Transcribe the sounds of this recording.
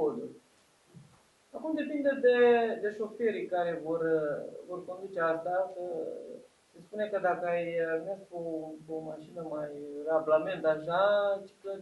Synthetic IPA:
od̪u | akumd̪e̞pind̪əd̪e̞d̪e̞ʃo̞feɾikaɾe̞vo̞rvo̞rko̞nd̪ut͡ʃeart̪asə | sespunekəd̪akəajmeskopomaʃinəmajrablame̞nt̪aʃat͡ʃi̥klə

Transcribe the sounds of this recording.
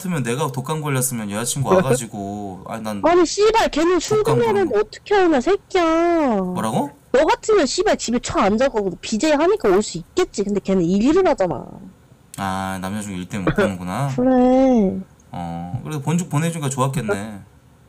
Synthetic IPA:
tʰɯmjʌnːe̞ɡatok͈ʰanɡʌʎːjʌs͈ɯmjʌnjʌat͡ɕʰimɡoaɡad͡ʑiɡoa̰nanaɲiɕ͈ibaɭke̞nɯnt͡ɕʰuŋɡunenɯndeʌt͈ʌ̥kʰeɦainasʰek͈iaɾaɡo | jʌɡatʰɯmjʌnɕʰibaɭt͡ɕibet͡ɕʰʌand͡ʑaɡʌɡodopid͡ʑeɦaɲik͈aoɭs͈uik̚k͈e̞t̚t͡ɕ͈ikɯnde̞ke̞nɯniʎiɾɯnɦad͡ʑana̰ | anamd͡ʑad͡ʑoɡiɭt͈enɯɡunakɯɾe | ʌ̰kɯɾesʰopond͡ʑuk̚pone̞d͡ʑuɡat͡ɕoak͈ene̞

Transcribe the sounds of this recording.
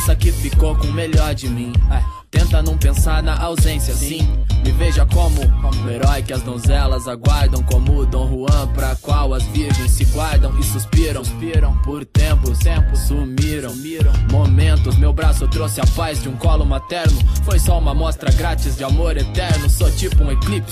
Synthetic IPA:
sɐkɪfikowkõmeʎɔɾd͡ʒɪmĩa | t̪ẽnt̪ɐnɐ̃w̃pẽsaɾnɐʔawzẽsjɐsĩɪveʒɐkõmʊũeɾɔjkɪɐzd̪õzɛlɐzaɡwaɾd̪ɐ̃w̃kõmud̪ɐ̃w̃huɐ̃pɾɐkwawɐzviɾʒẽj̃sːɪɡwaɾd̪ɐ̃w̃ɪsuspiɾɐ̃spiɾɐ̃w̃poɾt̪ẽpʊẽmpʊsumiɾɐ̃ | iɾɐ̃momẽnt̪ʊzmewbɾasʊt̪ɾosɪɐpazd͡ʒɪũkɔlʊmat̪ɛɾnʊfojsɔũmɐmɔst̪ɾɐɡɾat͡ʃizd͡ʒɪamoɾet̪ɛɾnʊsɔt͡ʃipʊũeklip

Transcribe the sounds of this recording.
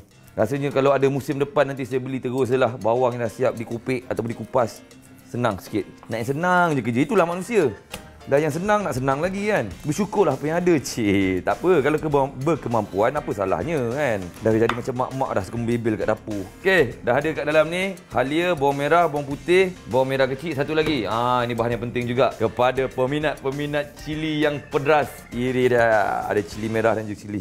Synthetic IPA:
ɾasəɲə̃kalawadamusɪmdəpanːant̪̬isajabəlit̪əɡos̬əlahbawaŋjalahsiap̚dikupɪʔa̰t̪awp̬ʊndikupasː | ənaŋsə̥kɪt̪̚naʔjãŋsənaŋd͡ʒəkəd͡ʒəit̪ulahmanũsiə | danjaŋsənaŋnaʔsənaŋlaɡikanbəsukʊrlaɦapəjaŋadət͡ʃit̪apəkalakəbəkəmampuanapəsa̰la̰hɲəkandahd͡ʒadimat͡ʃamːa̰ʔma̰ʔdahskəmbibɪlka̰ʔdapukedaɦadəkaʔdalamnihaliəbaŋmeɾahboaŋput̪ɪhboaŋmeɾahkət͡ʃiʔsat̪ulaɡiainĩbaɦanjaŋp̬ənt̪ɪŋd͡ʒuɡaʔkəpadapəminat̪̚pəminat̪̚t͡ʃilijaŋpədɾas | iɾida̰dat͡ʃilimẽɾahdand͡ʒuɡat͡ʃili

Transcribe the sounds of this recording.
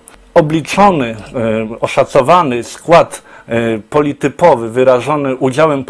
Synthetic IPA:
ɔblʲit͡ʂɔnɘ | ɔʂat̪sɔvanɘskwat̪ | pɔlʲit̪ɘpɔvɘvɘɾaʐɔnɘʔud͡ʑawɛmp

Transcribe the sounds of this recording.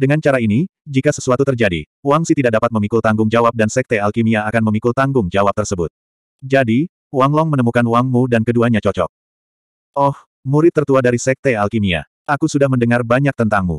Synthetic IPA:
dəŋant͡ʃaɾainid͡ʒikasəsuat̪ut̪ərd͡ʒadḭ | uwaŋsit̪idak̚dapat̪̚məmikult̪aŋɡʊŋd͡ʒawap̚dansɛk̚t̪ɛalkimiaːkanməmikult̪aŋɡʊŋd͡ʒawap̚t̪ərsəbʊt̪̚ | d͡ʒadi | waŋlɔŋmənəmukanuwaŋmudankəduaɲat͡ʃɔt͡ʃɔ̰k̚ | ʔɔh | muɾɪt̪ːərt̪uadaɾisɛk̚t̪ɛalkimia̰ | akusudahməndəŋarbaɲak̚t̪ənt̪aŋmṵ

